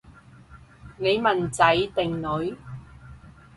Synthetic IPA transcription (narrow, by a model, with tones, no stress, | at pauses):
ne˨˧jmɐ˨nt͡sɐ˨˥jt̪ɪ˨ŋnɵ˨˧ɥ